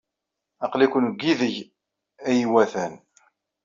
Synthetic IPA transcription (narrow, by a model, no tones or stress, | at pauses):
ɑqlikʷənɡːiðəʝ | æjwæθæn